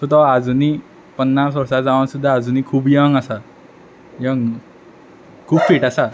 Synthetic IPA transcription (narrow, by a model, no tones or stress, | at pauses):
sut̪ʌad͡zuni | pʌnːasʌɾsad͡zawnsud̪aːd͡zunikʰubjʌŋasa | jʌŋ | kʰub̚pʰiʈasa